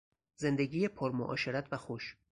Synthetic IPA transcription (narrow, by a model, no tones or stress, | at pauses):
ze̞nd̪e̞ɡiːjepʰoɾmoʔɒ̰ːʃe̞ɾæt̪ʰvæxoʃ